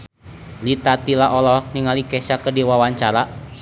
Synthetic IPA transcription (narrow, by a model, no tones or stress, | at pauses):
lit̪at̪ilaʔɔlɔniŋalikɛsakədiwawaɲt͡ʃaɾa